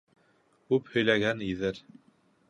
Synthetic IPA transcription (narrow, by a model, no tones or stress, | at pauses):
kʉphɵ̆jlæɡæniðɘɾ